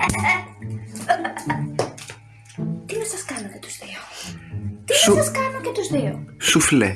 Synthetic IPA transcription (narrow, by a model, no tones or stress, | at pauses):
t̪inɐsɐskɐnɐt̪et̪u̥zðio | t̪inesɐskɐnot̪et̪uzðio̰sufle